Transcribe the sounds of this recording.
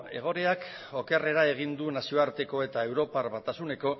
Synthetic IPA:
e̞̰ɣ̞o̞ɾe̞ak | o̞ke̞re̞ɾae̞ɣ̞ind̪unasio̞aɾt̪e̞ko̞e̞t̪ae̞wɾo̞paɾβat̪asune̞ko̞

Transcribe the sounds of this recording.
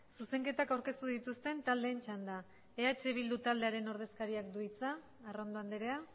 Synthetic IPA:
suse̞ŋke̞t̪akawɾke̞st̪uðit̪ust̪e̞nt̪ald̪e̞ːnt͡ʃand̪a | eat͡ʃe̞β̞ild̪ut̪ald̪e̞aɾe̞no̞ɾð̞e̞skaɾiakd̪uit͡saː | ro̞nd̪o̞and̪eɾe̞a

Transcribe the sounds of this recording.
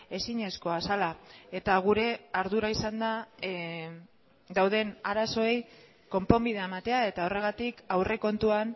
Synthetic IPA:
e̞siɲe̞sko̞asalae̞t̪aɣ̞uɾe̞aɾðuɾaisand̪a | d̪awð̞e̞naɾaso̞ej | ko̞mpo̞mbiðeaemat̪e̞ae̞t̪ao̞re̞ɣ̞at̪ikawre̞ko̞nt̪uan

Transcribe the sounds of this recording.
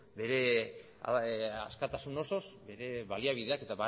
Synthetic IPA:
be̞ɾe̞̰ | a̰skat̪asuno̞so̞sbe̞ɾe̞βaliaβ̞iðe̞ake̞t̪aβa

